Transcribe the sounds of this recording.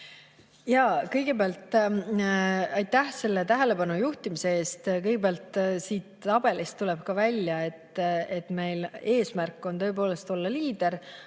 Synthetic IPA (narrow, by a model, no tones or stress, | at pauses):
jɑkɤjɡ̥e̞peɑlt̪ːˑ | ɑjt̪ːˑæhse̞lːe̞t̪æɦele̞pɑnujuht̪imise̞e̞ːst̪kɤjɡebeæːlt̪ːˑsiːt̪ːɑb̥e̞list̪ːule̞b̥kɑvælʲjɑe̞t̪ːe̞t̪ːme̞jle̞ːsmærkˑːo̞nt̪ɤ̞ep̬o̞ːle̞st̪o̞lːɑliːd̪̥e̞ɾ